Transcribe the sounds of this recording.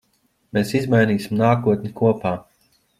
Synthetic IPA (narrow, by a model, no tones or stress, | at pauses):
meːsizmajniːsʲimnaːkuɔt̪̚nʲikuɔpaː